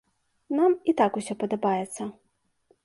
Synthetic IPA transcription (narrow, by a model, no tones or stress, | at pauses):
namit̪akusʲɔpɐd̪ɐbajɛt̪sːɐ